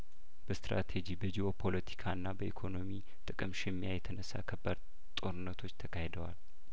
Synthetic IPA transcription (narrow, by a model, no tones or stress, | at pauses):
b̥əst̪ɾa̰t̪ʰed͡ʒibəd͡ʒiopʰo̞lət̪ʰi̥kʰaɨnːabəʔikʰo̞no̞mi | t̪ʼɨkʼɨmʃɪmːjajɛt̪ʰənəsːa̰kʰəbːəɾ | t̪ʼo̞ɾɨnːət̪ʰo̞t͡ʃːt̪ʰəkʰahed̪əwa̰l